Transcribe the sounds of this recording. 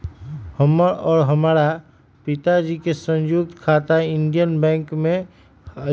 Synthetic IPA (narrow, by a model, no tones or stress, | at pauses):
həmɔːɾɦəmaːɾa | pɪt̪ad͡ʒikesə̃njʊɡ̚t̪kʰaːt̪aɪ̃nɖijənbɛ̃ːŋkmẽ